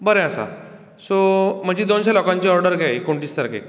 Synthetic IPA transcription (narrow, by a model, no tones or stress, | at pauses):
bəɾẽəsa̰ | som̤əɡd͡ʑid̪onɕalɔkãɲt͡ɕiɔɾɖəɾkajkoɳʈiːst̪əɾkḛ